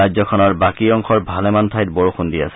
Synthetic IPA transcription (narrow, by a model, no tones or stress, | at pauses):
ajzɔkʰɔnɔɹbakiɔŋxɔɹbʱalɛmantʰajt̚boɹoxundia̰sɛ